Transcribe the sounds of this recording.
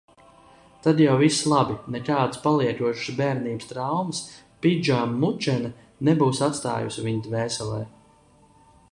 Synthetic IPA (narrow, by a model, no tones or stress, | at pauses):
t̪ad̪jawvislˠabinɛk̪aːd̪spalˠiɛt̪uɔʃɨ̥sbɛːɾniːbəst̪ɾawmɨs | pid͡ʒamːut͡ʃɛna | nɛbuːsat̪st̪a̰ːjṵsiviɲd̪vɛːsɛlˠɛː